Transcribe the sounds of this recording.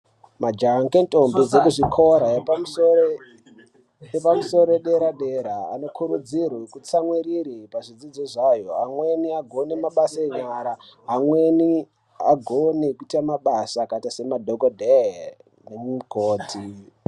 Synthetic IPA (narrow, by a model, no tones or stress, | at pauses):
mad͡ʒaŋkentʼo̞mbed͡zekuʐikʰo̞ɾaepamuso | epamuso̞ɾoɗe̞ɾaɗeɾaa̰no̞kʰuɾud͡zirwekut͡samwiɾiɾipaʐid͡zid͡zoʐajo̞amwe̞niaɡʱo̞nemaɓasaeɲaɾaːmweni | aɡʱonekuitamaɓasakatase̞madʱokodʱe | neɡʱoːtʰi